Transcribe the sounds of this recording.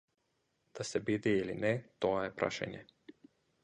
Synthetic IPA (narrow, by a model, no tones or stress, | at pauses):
d̪̥asɛbid̪iilinɛt̪ɔaɛpɾa̰ʃa̰ɲɛ̰